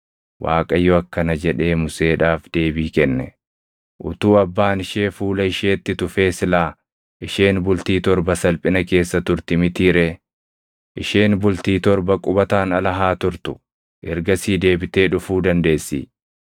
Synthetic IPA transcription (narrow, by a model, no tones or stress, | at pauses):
wʔa̰ːkʼɐjɔɐkːɐnɐd͡ʒɛᶑe̞ːmʊse̞ːᶑaːfd̪̥e̞ːbiːkɛnːɛ | ʔʊt̪uːɐbːaːnɪʃe̞ːfuːlɐɪʃeːt̪ːɪt̪ʊfe̞ːsɪlaː | ʔɪʃeːnbʊlt̪iːt̪ɔɾbɐsɐlpʼɪnɐke̞ːsːɐt̪ʊɾt̪ɪmɪt̪iːɾɛ | ʔɪʃeːnbʊlt̪iːt̪ɔɾbɐkʼʊbɐt̪aːnɐlɐɦaːt̪ʊɾt̪ʊ̥ | ʔɛɾɡɐsiːd̪e̞ːbɪt̪e̞ːᶑʊfuːd̪ɐnd̪e̞ːsːḭː